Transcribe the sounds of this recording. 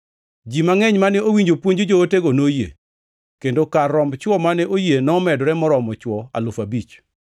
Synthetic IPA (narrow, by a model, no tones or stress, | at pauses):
d͡ʒimaŋɛɲmanɛowiɲd͡ʒopwoɲd͡ʒod͡ʒoːteɡonojḛ | kendokarːɔmbt͡ʃwɔmanɛʔojenɔːmɛdɔɾɛmɔɾɔmɔt͡ʃwɔa̰lʊfabit͡ʃ